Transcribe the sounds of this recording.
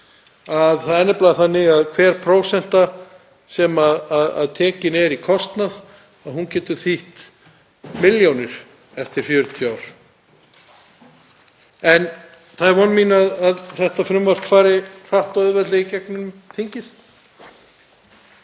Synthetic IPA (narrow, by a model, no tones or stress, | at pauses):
aðθaðɛnːɪplaɣθanːɪɣaðkʰvɛːɾ̥pʰɾoːwsɛn̥t̪a | sɛmaðaða̰ðt̪ʰɛːcɪnɛɾikʰɔst̪nað | aðɦuncɛːt̪ʏɾθiht̪ | mɪljownɪɾ̥ | ɛft̪ɪɾ̥fjœːɾʏt̪ʰjaːwɾ̥ | ɛn | θaðɛɾvɔnːmiːnaðaðθɛht̪afɾʏmvar̥kfaːɾɪr̥aht̪œðvɛt̪lɪicɛk̚nʏnʏmθiɲcɪð̥